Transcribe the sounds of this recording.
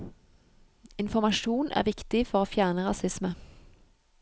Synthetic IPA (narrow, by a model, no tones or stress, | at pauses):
ɪnfɔmɑʃuːnʔæ̰ːʁʋɪkt̪ɪfɔʁoːfjæːʁnəʁɑsɪsmə